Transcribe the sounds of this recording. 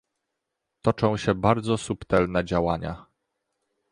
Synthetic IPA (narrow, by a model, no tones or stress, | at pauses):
t̪ɔt͡ʂɔ̃w̃ɕɛbaɾd̪zɔsupt̪ɛlnɛd͡ʑawaɲa̰